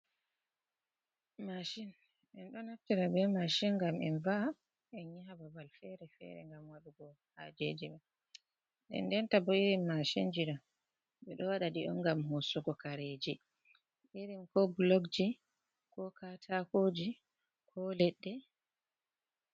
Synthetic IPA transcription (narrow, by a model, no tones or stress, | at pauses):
maʃin | ɛnɗɔnaftiɾabɛmaʃinŋɡamɛnva | ɛɲababalfɛ̰ɾɛfɛ̰ɾɛ̰ŋɡamwaɗuɡɔ | ha̰d͡ʒed͡ʒimɛ | ɗɛ̰ndɛntabɔiɾimːaʃḭnd͡ʒiɾɔ | ɓɛɗɔwaɗaɗiʔɔ̰nɡamhosuɡɔkaɾed͡ʒi | ʔiɾimkɔblɔɡd͡ʒi | kɔkʰatʰakod͡ʒi | kʰɔlɛɗːɛ